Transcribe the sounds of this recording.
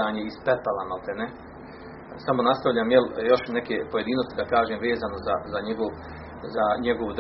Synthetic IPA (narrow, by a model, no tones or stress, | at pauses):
aːɲeispep̪alamalt̪ene | samo̞nast̪aʋʎaːmjeljo̞ʃne̞keːpoje̞d̪iːnost̪id̪akaːʒeːmʋeːzaːnozazaɲeɡoʋ | zaɲeɡo̞ʋd̪